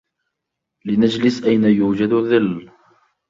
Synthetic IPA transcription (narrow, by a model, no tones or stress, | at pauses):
lɪnad͡ʒlɪsʔajnajuːd͡ʒad̪ðɪlː